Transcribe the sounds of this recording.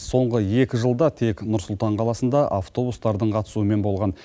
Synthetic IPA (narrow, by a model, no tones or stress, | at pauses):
so̞ɴʁəe̞kʲɪʒəlˠd̪ɑt̪ʰe̞knʊɾsʊlˠt̪ɑɴqʰɑlˠɑsənd̪ɑʔaft̪o̞bust̪ɑɾd̪əɴqʰɑt̪ə̥suəme̞nbo̞lˠʁɑn